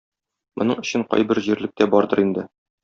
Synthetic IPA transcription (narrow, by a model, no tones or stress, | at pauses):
mŏ̰nɤɴɵ̆ɕɘɴqɒ̰jbɘɾʑiɾlɘ̆k̚t̪æbɒɾd̪ɤɾind̪ɘ